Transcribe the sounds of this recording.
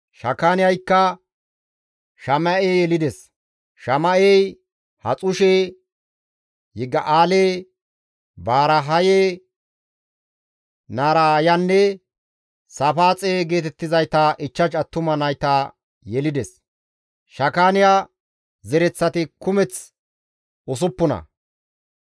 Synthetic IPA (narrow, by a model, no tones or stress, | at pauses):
ʃɐkaːnɪjɐjkːɐ | ʃɐmɐʔeːjɛlɪd̪ɛs | ʃɐmɐej | hɐ̰t͡sʼʊʃeː | hɪɡːɐʔaːleː | baːɾɐɦɐjeː | naːɾaːjɐnːɛ | sɐfaːt͡sʼeːɡe̞ːt̪ɛt̪ːɪzɐjt̪ːɐʔɪt͡ʃːɐt͡ʃɐt̪ːʊmɐnɐjt̪ːɐ | jɛlɪd̪ɛs | ʃɐkaːnɪja | zɛɾɛt͡sːɐt̪ɪkʊmɛt͡s | ɔs̬ʊpːʊnɐ̰